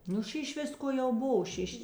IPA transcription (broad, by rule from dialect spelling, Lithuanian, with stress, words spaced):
ˈnʊ ˈʃʲɪʃ ˈʋʲɪskoː jɛʊ ˈboːʋɐ ˈʃʲɪʃ